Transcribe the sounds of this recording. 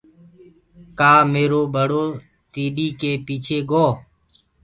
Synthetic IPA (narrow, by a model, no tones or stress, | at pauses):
kaːmeːɾoːbəɽoː | t̪iːɗiːkeːpiːt͡ʃʰeːɡoː